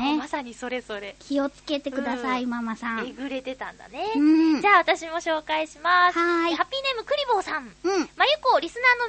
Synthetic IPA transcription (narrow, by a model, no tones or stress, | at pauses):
emasaɲ̟iso̞ɾe̞zo̞ɾe̞kʲio̞t͡sɨ̥ke̞t̪e̞kɯ̟d̪asaimamasãeɡɯ̟ɾe̞t̪e̞t̪ã̰nd̪a̰ne̞ɯ̟̃d͡ʑaːβat̪aɕimo̞ɕo̞ːkaiɕimashaihapʲːiːne̞mɯ̟kɯ̟ɾʲibo̞ːsãɴɯ̃ɴmajɯ̟koɾʲisɨnaːno̞